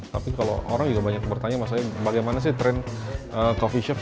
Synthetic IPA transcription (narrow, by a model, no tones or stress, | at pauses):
t̪apikalo̰ʔo̰ɾaŋd͡ʒuɡabaɲak̚bərt̪aɲamas̬aɲabaɡajmanas̬ɪht̪ɾɛnʔəkofiʃɛf